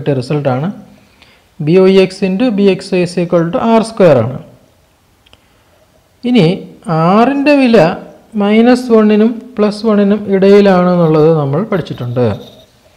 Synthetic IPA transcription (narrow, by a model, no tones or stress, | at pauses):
ʈːerisɐlʈːaːɳɨ | bioːieksindɨbiekseseːkːoɭʈːɨʔaːrskojɐra̰ːɳɨ̰ | iniaːrinde̞ʋilɐ | mɐjnɐsʋɐɳːinumpɭɐsʋɐɳːinumiɽɐjilaːɳe̞nːuɭːɐðɨnɐmːɐɭpɐʈʰit͡ɕːiʈːuɳɖɨ